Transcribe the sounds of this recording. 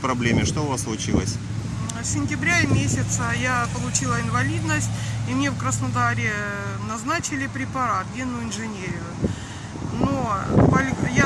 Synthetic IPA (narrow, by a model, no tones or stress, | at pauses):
pɾɐblʲemʲɪʂt̪oʊvasslˠʊt͡ɕilˠəsʲ | sʲɪnʲtʲɪbɾʲaɪmʲesʲɪt̪səjapəlˠʊt͡ɕilˠəɪnvɐlʲid̪nəsʲtʲimnʲefkɾəsnɐd̪aɾʲɪnɐznat͡ɕɪlʲɪpɾʲɪpɐɾat̪ɡʲenʊɪnʐɨnʲeɾʲɪjʊ | nopɐlʲja